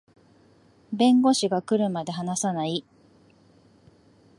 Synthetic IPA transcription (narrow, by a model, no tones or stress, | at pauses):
bẽ̞ŋɡo̞ɕiɡakɯ̟ɾɯ̟mad̪e̞ɦanasanai